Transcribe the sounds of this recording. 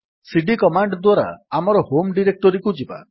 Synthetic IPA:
siɖikɔmaɳɖd̪waɾa̰ːmɔɾɔhomɖiɾek̚ʈɔɾikud͡ʒiba̰

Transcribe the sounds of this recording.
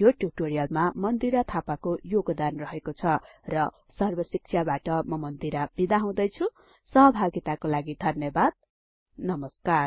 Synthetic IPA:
joʈjub̚ʈoɾijʌlmamʌnd̪iɾat̪ʰapakojoɡd̪anrʌɦekot͡sʰʌrʌ | sʌrbʌsik̚t͡sʰjabaʈʌmʌmʌnd̪iɾab̥id̪aɦãw̃d̪ʌjt͡sʰu | sʌɦʌbʱaɡit̪akolaɡid̪ʱʌnjʌbad̪̚ | nʌmʌskar

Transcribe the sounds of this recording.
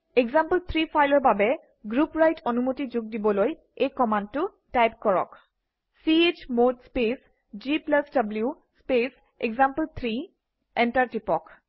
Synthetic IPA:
ekzampəlt̪ʰɹipʰajlɔɹbabɛ | ɡɹupɹajtʰɔnumotizʊɡ̚dibɔloj | ejkɔmandtːʊ | tajp̚kɔɹɔ̰k | siet͡ʃmodspes | d͡ʒiplasdabliu | spes | ḛɡzampəlt̪ʰɹi | ɛntaɹtipɔk

